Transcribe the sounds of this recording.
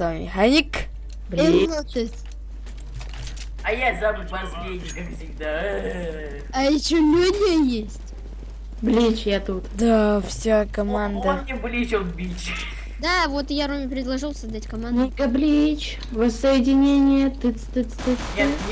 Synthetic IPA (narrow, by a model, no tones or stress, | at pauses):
samʲɪ̰xɐnʲik | blʲɛinot͡ʃesʲ | ɐjazabɨpɐsvʲenʲɪkakfsʲɪɡ̚d̪a | ɐjɪɕːolʲodʲɪjesʲtʲ | blʲit͡ɕjat̪ut̪d̪afsʲakɐmand̪əɪblʲit͡ʃonbʲit͡ɕ | d̪avot̪ɨjaɾomʲɪpɾʲɪd̪lˠɐʐɨlˠsɐzd̪atʲkɐmanɡəblʲit͡ɕ | vəsəjɪdʲɪnʲenʲɪjət̪ɨt̪ɨst̪ɨtɨ